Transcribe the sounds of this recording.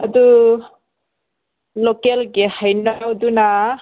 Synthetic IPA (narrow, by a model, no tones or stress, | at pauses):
adu | lɔkɛlɡɛhajnaduna